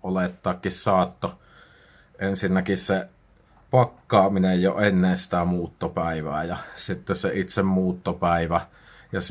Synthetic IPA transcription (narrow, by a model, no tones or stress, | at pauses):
ʔolet̪ːɑːkːissɑːt̪ːo | ʔensinːækisse | pɑkːɑːminejjo̰enːensi̥t̪æmuːt̪ːopæˑiʋæ̰ːjɑsit̪ːesseit̪semmuːt̪ːopæˑiʋæ | jɑs